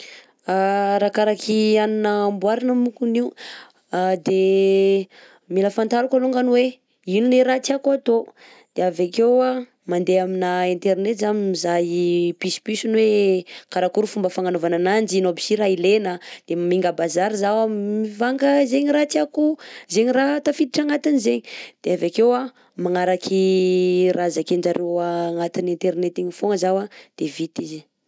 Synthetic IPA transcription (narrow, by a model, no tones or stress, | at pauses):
aɾakaɾakʰianinaːmbwaɾanamukuniu | d̪e | miləfant̪aɾukaluŋɡanwe | inuneɾat͡siakuat̪o | d̪̥eavekewa | mand̪eaminaent̪eɾnet̪zammizajipispisunwekaɾakuɾufumbəfaŋanovananand͡ʒinobi̥siɾailenəd̪̥emamiŋɡəbazaɾizawamivaŋkəzeɲiɾat͡siakuzeɲiɾat̪afid̪iʈ͡ʂaŋat̪inizeɲid̪̥eavakewa | maŋaɾakʰi | razakeɳd͡ʒaɾewaŋat̪inent̪eɾnet̪iɲifoŋəzawad̪̥evit̪izi